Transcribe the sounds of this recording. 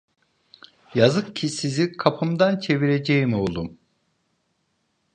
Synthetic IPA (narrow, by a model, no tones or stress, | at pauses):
jazɯkcʰisizikʰapʰɯmd̪ant͡ʃʰe̞viɾed͡ʒejimio̞lˠum